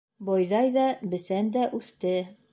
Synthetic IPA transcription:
bɒjðɑjðɑbɘ̆sænd̪æʔʉθt̪ɘ

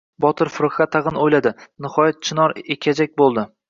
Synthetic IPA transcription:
bɒt̪ʰɪɾfʊɾʊχat̪ʰːɑʁɨnojlad̪ɪnɪhɒjat̪̚t͡ʃʰɪnɒɾekʲʰad͡ʒak̚ʲbolˠd̪ɪ

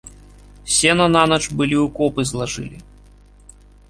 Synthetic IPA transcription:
sʲɛnɐnanɐt͡ʂbɨlʲiukɔpɨzlˠaʐɨ̰lʲi

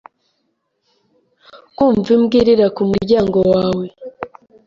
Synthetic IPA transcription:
kuːɱvimɡiɾiɾakumuɾɟaːŋɡo̞waːwe̞

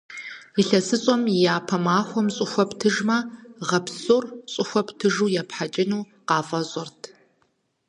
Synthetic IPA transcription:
iɬɐsɨɕʼɔmjaːpʰɐmaːxʷɔmɕʼɪxʷɔptʰɨʒmɐʁɐpsoːrɕʼʊxʷɔptʰɨʒuːjɛpħat͡ʃʼɪnuː | qɑːfʼɐzʼɔrtʰ

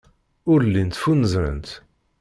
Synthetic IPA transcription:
ʊɾlːint̪funəzɾə̰nt̪

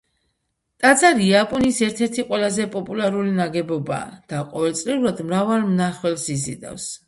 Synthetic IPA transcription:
t̪ʼad̪zaɾiapʼɔnisɛɾt̪ʰɛɾt̪ʰiqʼwɛlazɛpʼɔpʼulaɾulinaɡɛbɔba̰ːd̪̥aqʼɔvɛlˠt̪sʼliulad̪mɾavalmnaχwɛlsizḭd̪a̰fs

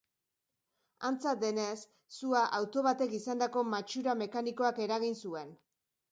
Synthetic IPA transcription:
ant͡sat̪̚d̪e̞ne̞sː | uaʔawt̪o̞βat̪e̞kisand̪ako̞mat͡ʃuɾame̞kaniko̞ake̞ɾaɣinsue̞n

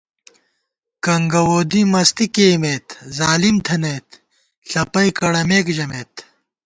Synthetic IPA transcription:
kɐŋɡɐwoːd̪imɐst̪ikeːmeːt̪zaːlimt̪ʰɐneːt̪ | ɬɐpɐjkɐɽɐmeːkd͡ʑɐmeːt̪

